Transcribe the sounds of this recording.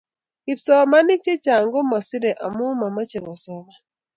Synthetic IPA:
i˨psɔ˨˦ma˦ni˦t͡ʃe˦t͡ʃa˨ŋɡɔ˦ma˨si˦ɾɛ˨ʔa̰˨mu˦ma˨ma˦t͡ʃe˨ŋɔ˨sɔ˨βa˨

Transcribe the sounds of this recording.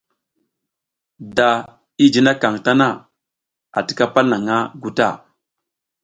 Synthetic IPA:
da˨ | i˦d͡ʒi˦na˦ka˨ŋta˦na˦˨ | a̰˨ti̥˨˦ka˦pa˦lna˨ŋa˦ɡu˦ta̰˦˨

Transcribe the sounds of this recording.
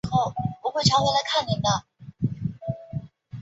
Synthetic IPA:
xo˥˩ʊwɔ˧˥xwe˥˩ɪʈ͡ʂʰɑ˧˥ŋwe˧˥ɪla˧˥ɪkʰa˥˩ni˨˩d̪ə˧˩

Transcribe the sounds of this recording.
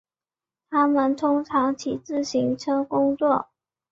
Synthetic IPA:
t̪ʰa˥mə˨nt̪ʰʊ˥ŋʈ͡ʂʰɑ˧˥ŋt͡ɕʰi˨˩t͡sɹ̩˥˩ɕi˧˥ŋʈ͡ʂʰɤ˥kʊ˥ŋt͡swɔ˥˩

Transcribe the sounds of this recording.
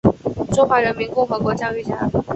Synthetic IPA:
ʈ͡ʂʊ˥ŋxwa˧˥ɻə˧˥nmi˧˥nkʊ˥ŋxɤ˧˥kwɔ˧˥t͡ɕjɑ˥ʊy˥˩t͡ɕja˧˥

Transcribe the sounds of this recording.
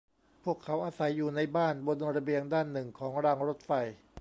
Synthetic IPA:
pʰu˥˩əkʰːa˩˦˥wʔaː˧sa˩˦jːuː˨˩na˧jbaː˥˩nbo˧nɾa˧bi˧əŋdaː˥˩nːɯ˨˩ŋkʰɔː˩˦ŋɾaː˧ŋɾo˦˥t̪̚fa˧j

